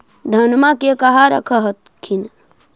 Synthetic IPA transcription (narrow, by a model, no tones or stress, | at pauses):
d̪ʱənmakekəɦaɾə̰kʰəɦət̪ | kʰin